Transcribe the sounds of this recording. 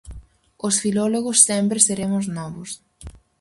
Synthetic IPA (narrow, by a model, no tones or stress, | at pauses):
osfilɔloɣʊsːẽmpɾeseɾemʊznɔβʊs